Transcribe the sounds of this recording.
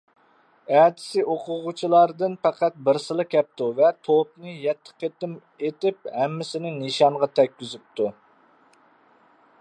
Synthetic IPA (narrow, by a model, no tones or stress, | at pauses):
æt̪ʰɪ̥sɪʔoqʊʁut͡ʃʰilˠɑɾd̪ɨnpæqʰæt̪̚bɪɾsɨlˠɨkʲɛp̚t̪uvɛt̪ʰop̚nɨjɛt̪ʰːə̥qʰːet̪ɪm | et̪ɪp̚hæmːɪsɪnɪnɨʃɑɴʁɑt̪ʰɛkʲːyzyp̚t̪ʰu